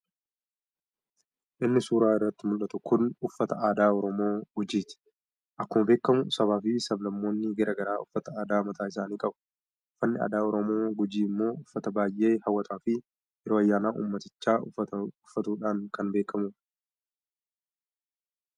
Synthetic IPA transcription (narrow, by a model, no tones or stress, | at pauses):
ʔɪnːɪsuːɾaːɪrːɐt̪ːɪmʊlʔɐt̪ʊkʊnʊfːɐt̪ɐaːd̪aːɔɾɔmo̞ːɡʊd͡ʒiːt̪ɪ̥ | ʔɐkːʊmɐbe̞ːkːɐmʊsɐβaːfiːsɐblɐmːo̞ːnːɪɡɐɾʔɐɡɐɾaːʊfːɐt̪ɐaːd̪aːmɐt̪aːɪs̬aːniːkʼɐbʊ̥ | ʊfːɐnːɪa̰ːd̪aːɔɾɔmo̞ːɡʊd͡ʒiːɪmːo̞ːʊfːɐt̪ɐbaːjʔe̞ːhɐwːɐt̪ʼaːfɪ | jɛɾoːɐjːaːnaːʔṵːmːɐt̪ɪt͡ʃːaːʊfːɐt̪uːᶑaːŋkɐnbe̞ːkʰːɐmuː